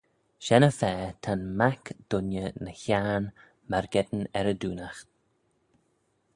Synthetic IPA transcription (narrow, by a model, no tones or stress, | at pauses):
ʃɛnəfɛːt̪ʰanmakd̪̥ʊnjənəçaːn | maɹɡɛd̪n̩ɛɾəd̪uːnaxt̪